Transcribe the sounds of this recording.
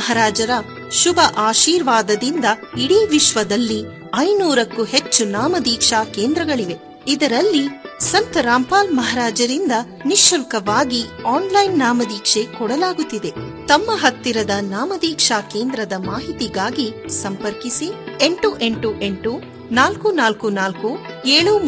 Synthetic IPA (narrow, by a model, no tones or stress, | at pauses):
ɐɦɐɾaːd͡ʒɐɾɐ | ʃubʱɐʔaːʃiːɾʋaːd̪ɐd̪ind̪ɐiɽiʋiʃʋɐd̪ɐlːi | ɐjnuːɾɐkːuhe̞t͡ʃːunaːmɐd̪iːkʂaːkeːnd̪ɾɐɡɐɭiʋe̞ | id̪ɐɾɐlːisɐnt̪ɐɾaːmpaːlmɐɦɐɾaːd͡ʒɐɾind̪ɐ | niʃɐlkɐʋaːɡiaːnlɐjnːaːmɐd̪iːkʂe̞kɔɽɐlaːɡut̪ːid̪e̞t̪ɐmːɐɦɐt̪ːiɾɐd̪ɐnaːmɐd̪iːkʂaːke̞ːnd̪ɾɐd̪ɐmaːɦit̪iɡaːɡisɐmpɐɾkisie̞ɳʈuʔe̞ɳʈuʔe̞ɳʈu | naːlkunaːlkunaːlku | eːɭu